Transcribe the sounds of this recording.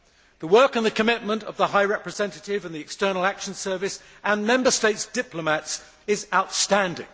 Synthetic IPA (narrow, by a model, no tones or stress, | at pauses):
ðəwɜˑ˞kə̃nðəkʰəmɪt̚mə̃ntə̰vðəɦaɪɹɛpɹɨzɛ̃ntətɪvə̃nðiɨkstɜ˞nl̩ˠækʃə̃nsɜ˞vɪs | ə̃nmɛ̃mbəsteɪtsd̥ɪpləmæts | ɪzaʊtstæ̃ndɪ̰̃ŋ